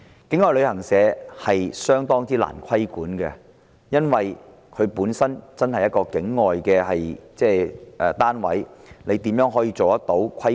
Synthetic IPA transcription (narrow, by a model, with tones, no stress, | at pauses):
kɪ˨˥ŋːɔː˨jlɵ˨˧ɥhɐ˨˩ŋsɛː˨˧hɐ˨jsœː˥ŋt̪ɔː˥ŋtt͡siː˥la̰ː˨˩nkʷʰɐ˥jkuː˨˥nkɛ̰˧ | jɐ˥nwɐ˨j | kʰɵ˨˧ɥpuː˨˥nsɐ˥nt͡sɐ˥nhɐ˨jɐ˥t̚kɔː˧kɪ˨˥ŋːɔː˨jkɛː˧hɐ˨jt͡sɛː˥ʔɛː˨˩t̪aː˥nwɐ̰˨˥jne˨˧jt̪iː˨˥mjœː˨˥ŋɦɔː˨˥jiː˧t͡so˨wt̪ɐ˥k̚t̪o˨˥wkʰɐ˥